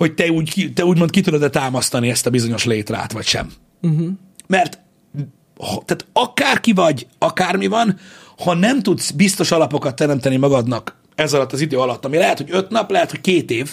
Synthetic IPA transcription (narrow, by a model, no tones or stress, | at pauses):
ho̞c̚t̪ɛuːɟkit̪ɛuːɟmo̞n̚kit̪ud̪od̪ɛt̪aːmɒst̪ɒniɛst̪ɒbizo̞ɲo̞ʃleːt̪ra̰ːt̪ʋɒcʃɛ̰m̩ | mɛrt̪ | hɒt̪aːt̪ɒkaːrkivɒɟɒkaːrmivɒnhɒnɛmt̪ut̪sbist̪o̞ʃɒlɒpo̞kɒt̪ːɛɾɛmt̪ɛnimɒɡɒd̪nɒk | ɛzɒlɒt̪ːɒzid̪øːɒlɒt̪ːɒmilɛɦɛt̪ho̞ɟø̞t̪nɒplɛɦɛt̪ho̞ckeːt̪eːv